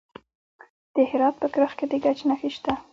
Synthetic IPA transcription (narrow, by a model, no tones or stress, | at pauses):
d̪̥əhɪɾɑt̪̚pəkɾəxked̪əɡat͡ʃnaxiʃt̪a